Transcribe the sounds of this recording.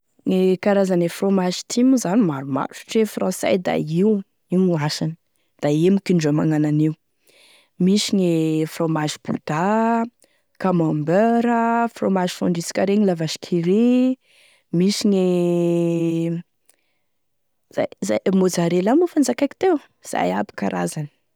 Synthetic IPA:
ŋekaɾazanefromaʒi̥t̪ʰimuzanimaɾuma̰ɾʈ͡ʂu̥ʈ͡ʂefrɑ̃sa̰jd̪a̰iw | iwŋaʃan | d̪̥aemikiɳɖ͡ʐamaŋananiu | misiɲefromaʒib̥ṵd̪̥a | kamambøɾəfromaʒifɔɳɖ͡ʐisi̥kʲaɾeɲilavaʃi̥kʰiɾi | misiɲe | za̰jzamod͡zaɾelamufand͡zakaki̥t̪ew | z̥a̰jabi̥kaɾa̰zani̥

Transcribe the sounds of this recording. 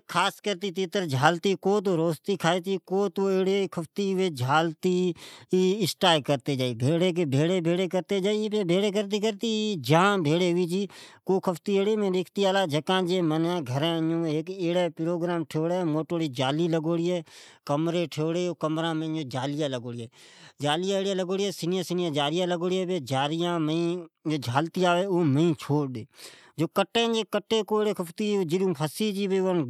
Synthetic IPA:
kʰaːskəɾt̪it̪ɪt̪əɾd͡ʒʱaːlt̪ikoːt̪̬oːɾoːst̪ikʰaːet̪ikoːt̪oeːɽekʰəpʰt̪iːʋeːd͡ʒʱaːlt̪iː | ɪsʈaːjkəɾt̪ed͡ʒaːibʱeːɽeːk̬ebʱeːɽebʱeːɽekəɾt̪ed͡ʒaːipebʱeːɽek̬əɾt̪̬ikəɾt̪id͡ʒaãbʱeːɽeːɦʊiːd͡ʒiːkoːkʰəpt̪ieːɽeːmẽːɾeːkʰt̪iaːlaːd͡ʒəkãːd͡ʒeːmənãːɡʱəɾɛ̃ːjõeːkeːɽeːpɪɾoːɡɾaːmʈʰeːɽeːmoːʈoːɽiːd͡ʒaːliːləɡoːɽieːkəmɾeːʈʰeːɽeːoːkəmɾãːmẽd͡ʒoːd͡ʒaːlɪjãːləɡoːɽɪɛːd͡ʒaːlɪjãeːɽãːləɡoːɽiɛːsɪnjãːsɪnjãːd͡ʒaːɾɪjãːləɡoːɽeːbeːd͡ʒaːɾɪjãːməĩd͡ʒoːd͡ʒʱaːlt̪iːaːʋeːoːmə̃ĩːt͡ʃʰoːɽd̪eː | d͡ʒoːkəʈːẽːd͡ʒeːkəʈːeːkoːeɽeːkʰəpʰt̪iod͡ʒɪlũːpʰəsiːd͡ʒiːbeːʋən

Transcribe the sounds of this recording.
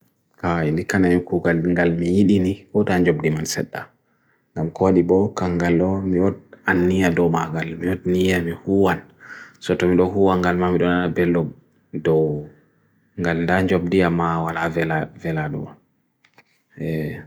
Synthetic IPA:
kaindikanajukuɡalŋɡalmijiɗinikɔtaɲd͡ʒobdimansɛ̰ɗːa | ŋɡamkoɗibɔkaŋɡalɔmijɔd̚anːijadɔmaɡalmijɔdnijamihuwansɔtɔmiɗɔɦuwaŋɡalmamiɗɔnanabɛlːɔb̚ | dɔw | ŋɡalndaɲd͡ʒobdijamawalavɛlavɛlaɗɔ̰wa | ɛ

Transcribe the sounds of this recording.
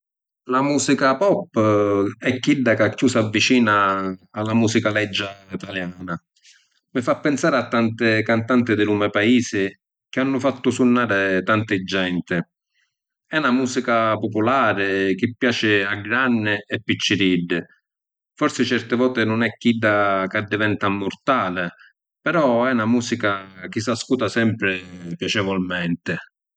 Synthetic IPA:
lamuːsikapɔpːɛkːiɖːakakːuːsavːit͡ʃiːnaːlːamuːsikalɛd͡ʒːait̪aljaːna | mɪfapːɪnsaːɾɪat̪ːant̪ɪkant̪ant̪ɪd̪ɪlumɛpaiːsɪ | k̟ɪanːʊfat̪ːʊsunːaːɾɪt̪ant̪ɪd͡ʒːɛnt̪ɪ | ɛnamuːsikapopʊlaːɾɪk̟ɪpːjaːt͡ʃɪaɡɾanːɪɛpːit͡ʃːɪɾiɖːɪ | fɔɾsɪt͡ʃɛrt̪ɪvɔːt̪ɪnʊnɛkːiɖːakad̪ːɪvɛnt̪amːʊrt̪aːlɪ | pɛɾɔɛunamuːsikak̟ɪsaskuːt̪asɛmpɾɪpjat͡ʃɛvɔlmɛnt̪ɪ

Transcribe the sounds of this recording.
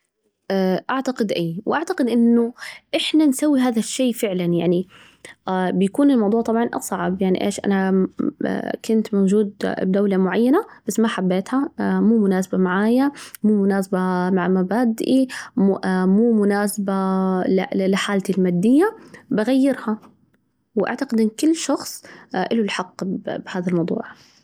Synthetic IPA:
ʔaʔaʕt̪aqɪd̪ʔaːwʔaʕt̪aqɪd̪ʔɪnːʊʔɪħnansawːiɦaːðaʃːeːfɪʕlanjaʕni | bɪjakuːnɪlmɑwd̪ˤuːʕt̪ˤɑbʕɑnʔɑ̰sˤɑʕɪbjaʕnḭʔḛːʃʔa̰na̰ | kʊnt̪mowd͡ʒuːd̪̚bd̪awlamʊʕajːanab̥asːmaħabːeːt̪hamuːmʊnaːsabamaʕaːjamuːmʊnaːsabamaʕmabaːd̪ʔi | muːmʊnaːsabalɪ̰ɪlɪħaːlt̪ilmaːd̪ːɪjːabaɣajːɪɾha | wʔa̰ʕt̪aqɪd̪ʔɪnːkɪlːʃɑxsˤʔɪlʊlħɑqːbbhaːðalmɑwd̪ˤṵːʕ

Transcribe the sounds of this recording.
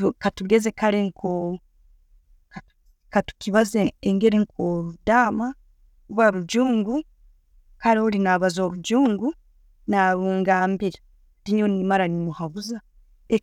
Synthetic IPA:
katuɡe̞ze̞kaɾeŋkʰo | ka | katu̥kiβazeeŋɡe̞ɾeŋkʰoːɾudaːma | uβaɾuɟuːŋɡu | kaɾioɾinaβazo̞ːβuɟuːŋɡu | naːβuːŋɡaːmbiɾa | ɾiɲonimaɾanimuhaβuza | e

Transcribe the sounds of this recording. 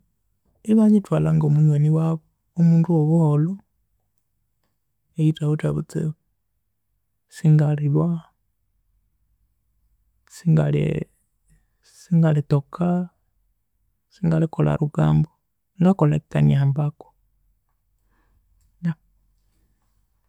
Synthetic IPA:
iβaɲitwalaŋɡomuɲweniwaβo | omuːnduoβuholo | ejitaβutaβut͡sḛ | siŋɡaliβwa | siŋɡalḛ | siŋɡalitokʰa | siŋɡalikola̰ɾuɡaːmbo | ŋɡakolakikaniaːmbako̥ | ja

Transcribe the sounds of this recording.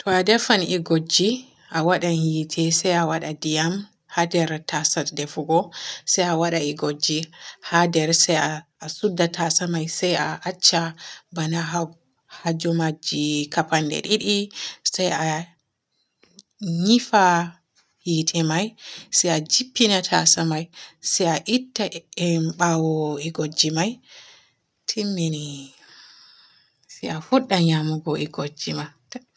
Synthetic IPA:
tʰɔadɛfanʔiɡod͡ʒi | ʔawaɗahitʰɛsajawaɗadijam | hadɛɾtasatdɛfuɡɔsajawaɗaiɡod͡ʒːihadɛɾsajaːsudːatasamajsajaʔat͡ʃːabanaɦa | had͡ʒɔmad͡ʒikapandɛ̰ɗiɗisaja | ɲifa | jitʰɛmajsajad͡ʒipːinatʰasamajsajaʔitːaɛmɓawɔiɡod͡ʒːimaj | tʰimːini | sɛjafuɗːaɲamuɡɔiɡod͡ʒimat

